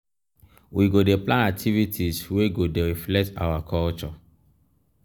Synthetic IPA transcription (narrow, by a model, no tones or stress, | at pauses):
wiɡodeplãnak̚tʰivitʰisweɡodeɾiflɛk̚ta̰wakʰɔlt͡ʃɔ